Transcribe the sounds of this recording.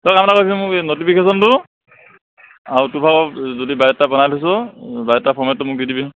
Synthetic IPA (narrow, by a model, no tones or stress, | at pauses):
tɔkamɛnakos̬iɛmʊknotipʰikes̬ɔntʊ | autupʰakɔzodibajɛtːapɔnalɔs̬ɔbajɛtːapʰɔɹmɛt̚ːʊmʊk̚didibi